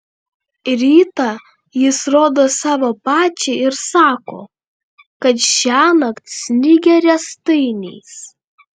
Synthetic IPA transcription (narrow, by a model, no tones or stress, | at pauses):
ɾʲiːt̪ɑ | jɪsɾoːd̪oːsɑːʋoːpɑːt͡ʃʲɛɪɾsɑːkoː | kɐt̪ʃʲæːnɐkt̪ʲsʲnʲɪɡʲɛɾʲɛst̪ɐɪnʲɛːs